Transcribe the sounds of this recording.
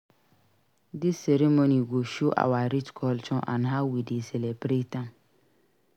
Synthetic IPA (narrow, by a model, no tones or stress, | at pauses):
dɪsːɛɾemoniɡoʃoʔa̰waɾit͡ʃkʰɔlt͡ʃʰɔ̃nʔãnɦaʊwidesɛlɛbɾetãm